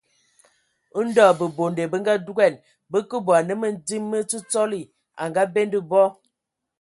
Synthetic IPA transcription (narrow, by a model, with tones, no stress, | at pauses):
ə˦n̩˦dɔ˦˨bə˨bo˨nde˨bə˦ŋ˦ɡa˦du˦ɡɛ˦˨n | bə˦kə˦bwa˨nə˦mə˦n˦di˦mːə˦t͡si˦t͡sɔ˦li˨ | a̰˨ŋɡa˦be˦ndə˦bɔ˦